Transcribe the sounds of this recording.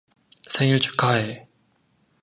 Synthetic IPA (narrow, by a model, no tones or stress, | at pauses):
sʰeŋiɭt͡ɕʰu̥kae